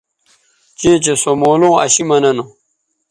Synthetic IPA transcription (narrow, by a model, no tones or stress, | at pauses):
t͡ɕẽːt͡ɕesomoːlõːɐ̰ɕimɐnɐno